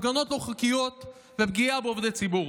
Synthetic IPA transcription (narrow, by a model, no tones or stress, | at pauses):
ɡanot̪loχukijot̪ | vepɡiabeovd̪et͡sibu